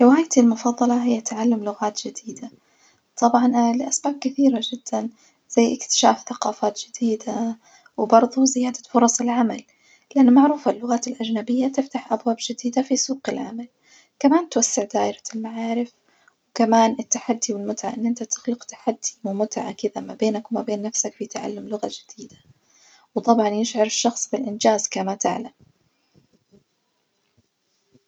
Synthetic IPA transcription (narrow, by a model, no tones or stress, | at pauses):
lɪwaːjt̪ilmʊfɑðˤːɑlɑɦɪjːat̪ʕalːamlʊɣaːt̪ʒ̥ɪd̪iːd̪a | t̪ˤɑbʕɑnlɪʔasbaːb̚kɪθiːɾaʒɪd̪̥ːan | z̥ajːʔɪkt̪ɪ̥ʃa̰ːfθaqɑːfaːt̪ʒ̥ɪd̪̥iːd̪a | wbɑɾˤðˤuzɪjaːd̪afʊɾˤɑsˤɪlʕamal | lɪʔanːʊmaʕɾuːfalːʊɣaːt̪ɪlʔaʒnabɪjːat̪ɪft̪aħʔabwaːbʒɪd̪iːd̪afisuːqɪlʕa̰mal | kamaːnt̪wasːɪʕd̪aːʔɪɾḁlmaʕaːɾɪf | wɪkamaːnɪt̪ːaħad̪ːiwɪlmʊt̪ʕa̰ʔɪnːʔɪnt̪at̪ɪ̥xlɪqt̪ḁħad̪ːiwɪmʊt̪ʕa̰kɪd̪amabeːnakwmabeːnːafsakfit̪ʕa̰lːamlʊɣad͡ʒɪd̪̥iːd̪ḁ | wt̪ˤɑbʕɑnjɪʃʕɑɾɪʃːɑxsˤbɪlʔɪnd͡ʒaːzkamat̪ɪ̰ʕlam